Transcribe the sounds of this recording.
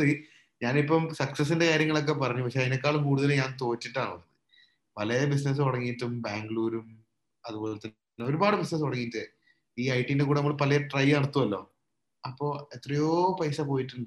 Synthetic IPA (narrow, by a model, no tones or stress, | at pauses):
ɨ | ɲaːnipːɐmsɐksɐs̬ːinde̞kaːɾjɐŋːɐɭo̞kːe̞pɐrɐɲːupɐkʂe̞ɐinokːaːɭumkuːɽuðɐlɲaːnt̪o̞ːt͡ɕːiʈːaːɳɨʋɐnːɐðɨ | pɐlɐjɐbis̬nɐs̬ɨɐɽɐŋːijiʈːumbaːŋɡɭuːɾum | ɐðubo̞ːlet̪ːɐn | nːoɾubaːɽɨbisnɐs̬ɐɽɐŋːijːiʈːɨ | iːɐjʈːindekuːɽenɐmːɐɭpɐlɐjɐʈrɐjɐɽɐt̪ːuʋɐlːo̞̰ː | ɐpːo̞ːet̪rɐjo̞ːpɐjsɐpoːjiʈːuɳɖɨ